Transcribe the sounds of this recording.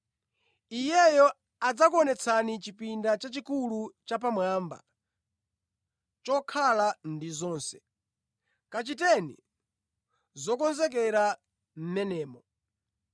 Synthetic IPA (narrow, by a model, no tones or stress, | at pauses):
ijɛjɔ | ad͡zakɔnɛt͡sʰanit͡ʃipindat͡ʃat͡ʃikulut͡ʃap̬amwaːmba̰ | t͡ʃɔkʰalandizɔːnsɛ̥ | kat͡ʃitɛnḭ | zɔkɔnzɛk̬ɛɾa | m̩mɛnɛːmɔ